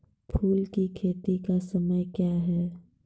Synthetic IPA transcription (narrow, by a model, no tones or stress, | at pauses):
pʰuːlkikʰeːt̪ikasəməjkjaɦɛː